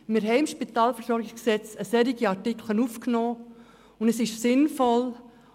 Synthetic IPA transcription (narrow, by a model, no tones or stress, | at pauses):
mɪɾɦɛɪɪmʃpitɑːlfəsɔɾɡɪsɛt͡səsɛɾiɡiɑɾtikʰlənufknɔː | ʊndəsɪʃsɪnfɔl